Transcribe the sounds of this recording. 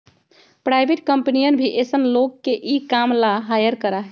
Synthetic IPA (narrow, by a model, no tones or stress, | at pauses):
pɾajbʱeʈkəmpnijənbʱiʔesənlokːeʔikamlaɦajəɾkəɾaɦ